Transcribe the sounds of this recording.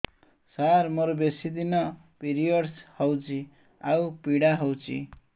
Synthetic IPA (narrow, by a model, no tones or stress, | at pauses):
sarmʌɾobesid̪inʌpiɾijʌɽshʌwt͡si | awpiɽaɦʌwt͡sḭ